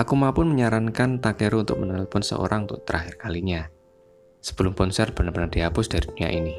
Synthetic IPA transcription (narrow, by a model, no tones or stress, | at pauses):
ʔakumapʊnməɲaɾankant̪akeɾuunt̪ʊ̰k̚mənaalpʊnsə̰ʔo̰ɾaŋunt̪ʊʔ̚t̪əɾʔaɦɪrkaliɲa | sə̥b̥əlʊmkɔnsɛr̚b̥ənarbənard̥iɦapʊsd̥aɾid̥unija̰ʔini